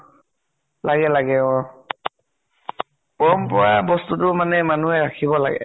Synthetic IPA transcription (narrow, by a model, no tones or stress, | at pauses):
laɡɛlaɡɛɔ | pɔmpɔɹabɔstutʊmanɛmanuɦɛɹakʰibɔla̰ɡɛ̰